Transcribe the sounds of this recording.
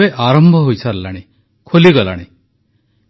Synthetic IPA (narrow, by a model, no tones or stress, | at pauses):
eʔaɾɔmbʱɔɦojsʰaɾlaɽ̃e | kʰoliɡɔla̰ɽ̃i